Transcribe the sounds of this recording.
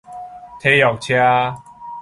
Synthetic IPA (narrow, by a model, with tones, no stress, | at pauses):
t̪ʰe˧˦jɔ˨˩k̚t͡ɕʰja˦